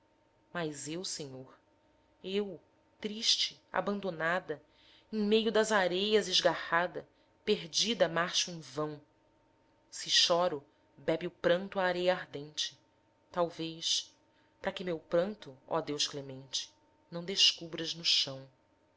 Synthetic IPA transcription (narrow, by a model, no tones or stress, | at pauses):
majzewsẽɲoɾ | ew | t̪ɾiʃt͡ʃɪ | a̰bɐ̃nd̪onad̪ɐ | ẽj̃mejʊd̪ɐzaɾejɐzɪʒɡahad̪ɐ | peɦd͡ʒid̪ɐmaɾʃʊẽj̃vɐ̃w̃ | sɪʃɔɾʊ | bɛbiʊpɾɐ̃nt̪ʊaːɾejɐaɾd̪ẽnt͡ʃɪ̥ | t̪awvejs | pɾɐkɪmewpɾɐ̃nt̪ʊɔ̰d̪ewʃklemẽnt͡ʃɪ̥ | nɐ̃w̃d̪eʃkubɾɐznʊʃɐ̃w̃